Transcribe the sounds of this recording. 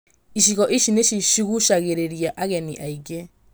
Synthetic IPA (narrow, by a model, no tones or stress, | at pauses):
iʃiɣɔʔiʃineʃiʃiɣuʃaɣeɾeɾiaʔaɣɛniʔaiɡe